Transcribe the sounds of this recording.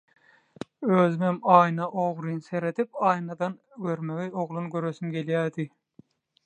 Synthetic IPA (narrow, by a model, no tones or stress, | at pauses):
øːzymemɑːjnɑʔoʁɾinse̞ɾe̞t̪ʰip̚ɑːjnɑd̪ɑn | ɡøɾmeɡioʁlˠunɡʲøɾøsymɡʲe̞ljæːd̪i